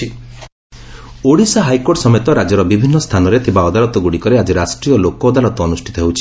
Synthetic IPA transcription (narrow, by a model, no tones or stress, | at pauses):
i | oɽisaɦajkoɾʈsɔmet̪ɔɾad͡ʒɔɾɔbibʱinːɔst̪ʰanɔɾet̪ʰibaɔd̪aɾɔt̪ɔɡuɽikɔɾead͡ʒiɾasʈɾijɔlokɔːd̪aɾɔt̪ɔːnusʈʰit̪ɔɦewt͡ʃʰi̥